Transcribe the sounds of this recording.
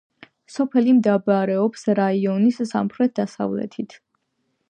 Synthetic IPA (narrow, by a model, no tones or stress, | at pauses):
sɔpʰɛlimd̪abaɾɛɔpsɾaiɔnisːa̰mχɾɛt̪̚d̪̥asa̰vlɛ̰t̪ʰit̪ʰ